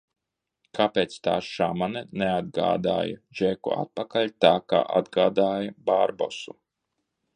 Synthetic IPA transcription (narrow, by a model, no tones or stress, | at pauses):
kʰapeːt̪st̪a̰ːʃamanɛnead̪̚ɡa̰ːd̪a̰ːjɐ̰ʒɛkua̰t̪̚pakaʎʲt̪aːka̰ːʔa̰d̪ɡaːd̪aːjɐbaɾbɔ̰su